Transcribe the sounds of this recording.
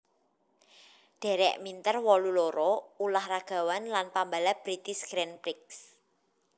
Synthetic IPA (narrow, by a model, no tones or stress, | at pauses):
ɖ̥ɛ̤ɾɛ̰ʔmint̪ərwɔluloɾɔulahraɡ̥a̤wanlanpambalab̥ɾit̪ɪsɡ̥ɾɛnpɾɪks